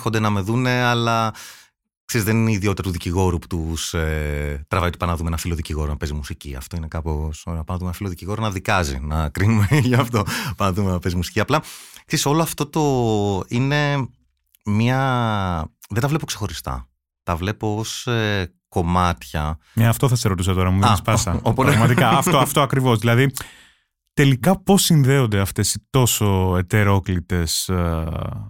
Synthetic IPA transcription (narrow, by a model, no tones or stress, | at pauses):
xod̪enɐme̞ðune̞ɐlɐ | kseɾizðeniniðiot̪it̪ɐt̪uðiciɣo̞ɾupu̥t̪uset̪ɾɐvɐit̪upɐnɐðumeenɐfilo̞ðiciɣo̞ɾonɐpe̞zimusiciɐ̰ft̪o̞inekɐposnɐpɐnɐðumenɐfilo̞ðiciɣo̞ɾonɐðikɐzḭnɐkɾinumeʝɐft̪o̞pɐnɐðumenɐpe̞zimusi̥ciɐplɐkseiso̞loɐft̪o̞t̪o̞ine̞ | mɐ | ðet̪ɐvlepokse̞xo̞ɾist̪ɐ̰ | t̪ɐvle̞poose | ko̞mɐt̪çɐ̰eɐft̪o̞θɐseɾo̞t̪isɐt̪o̞ɾɐmuðenspɐsɐopɾɐɣmɐt̪ikɐɐft̪oɐft̪oɐkɾivo̞zðilɐði | t̪e̞likɐpo̞sinðe̞o̞nd̪eɐft̪e̞sit̪o̞so̞et̪e̞ɾo̞klit̪e̞s